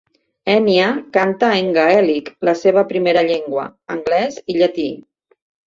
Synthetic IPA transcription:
ɛniakant̪aeŋɡaɛlikləseβ̞əpɾimeɾəʎeŋɡwə̰ːŋɡlɛziʎat̪i

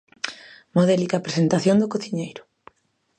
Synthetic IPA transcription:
moðɛlikapɾesent̪aθjond̪ʊkoθiɲejɾʊ̥

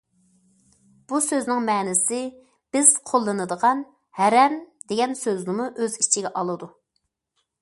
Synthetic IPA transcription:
b̥usøznɪŋmɛːnɪsɪ | b̥ɪz̥qʰolˠːɨnɨd̪əʁɑn | hæɾɛmd̪eɡʲɛnsøznɪmuʔøzit͡ʃʰiɡʲɛʔɑlˠɨd̪u

